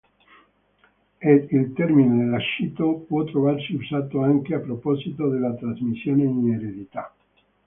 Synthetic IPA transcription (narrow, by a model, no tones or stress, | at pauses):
eelt̪eɾminoðelaʃit̪opwot̪ɾoβaɾseusat̪oaŋkeapɾoposit̪oðelat̪ɾazmisjoneineɾeðit̪a